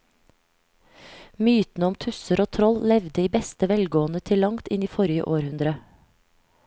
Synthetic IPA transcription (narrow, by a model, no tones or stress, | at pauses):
myːt̪n̩əɔmt̪ʰʉsəɾoːt̪ʰɾɔllɛʋd̪əiːbɛst̪əʋɛlɡoːənət̪ʰɪlɑŋt̪ɪniːfɔɾɪə̰ʔoːɾhʉnd̪ɾə